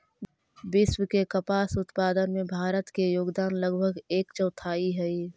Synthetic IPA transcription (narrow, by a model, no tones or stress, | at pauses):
bɪswəkekəpaːsʊt̪paːd̪ənmẽbʱaːɾət̪kejoːɡd̪aːnləɡbʱəɡeːkt͡ʃəʊt̪ʰaːiɦɛi